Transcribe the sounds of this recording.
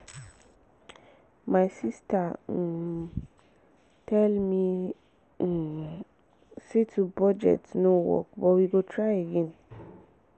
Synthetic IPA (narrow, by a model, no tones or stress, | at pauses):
majsista | tʰɛlmi | setʰubɔd͡ʒɛ̰tnowɔ̰k̚bɔwiɡotʰɹajeɡɛ̃n